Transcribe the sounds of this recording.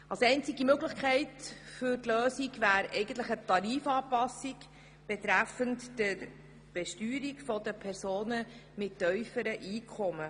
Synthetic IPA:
ɑlsɛɪnt͡siɡimøɡləχkʰɛɪtfʏɾtløːsikvæːɾɛɪɡən̩t̪ləχət̪ɑɾiːfɑːpɑsːik | b̥ɛt̪ɾæfəntdəɾ | b̥ɛʃtyːɾikfɔdəpʰɛɾsoːnəmɪtːœʏfəɾəʔiːkʰɔmə

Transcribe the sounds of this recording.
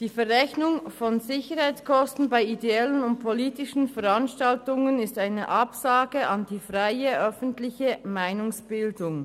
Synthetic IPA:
d̥iːfɛʁɛçnʊŋfɔnzɪçəɾhaɪt͡skʰɔstn̩baɪideɛlənʊnt̚pʰoliːtɪʃn̩fɛʁɑnʃtaltʊŋənɪstaɪnə̰ʔɑpsaːɡ̥əʔɑnd̥iːfʁaɪəʔœfən̩tlɪçəmaɪnʊŋsb̥ɪldʊŋ

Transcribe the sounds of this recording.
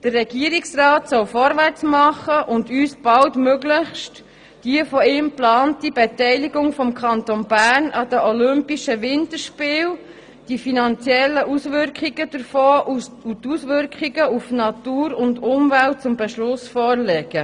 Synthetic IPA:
d̥ərːɛɡiəɾiksrɑːtsɔwfɔɾʋært͡smɑχəʔʊndyːsb̥ɑltmøɡlɪçʃt | d̥iəfɔɪːmplɑːntibetɛɪliɡʊŋfɔmkʰɑnt̪onbæːɾnʔɑd̥əʔɔlʏmpiʃəʋɪntəɾʃpɪːl | d̥ifinɑnt͡sjɛlːəʔusʋʏɾkχiɡəd̥əɾfɔːʔutusʋʏɾkχiɡəufnɑtuːɾʊndʊmvælt̚t͡sʊmbɛʃlʊsfɔːrlɛɡ̥ə

